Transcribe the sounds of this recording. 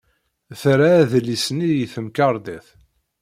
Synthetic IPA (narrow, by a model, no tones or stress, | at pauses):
θɾaːðlisnijiθəmkɑɾˤd̪æθ